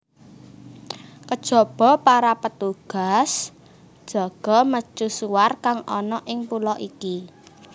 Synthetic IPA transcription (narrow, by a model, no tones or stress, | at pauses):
kəd̥ʒ̥ɔ̤b̥ɔ̤paɾapət̪uɡ̥a̤s | d̥ʒ̥ɔ̤ɡ̥ɔ̤mət͡ʃusuwarkaŋɔnɔʔɪŋpulɔʔiki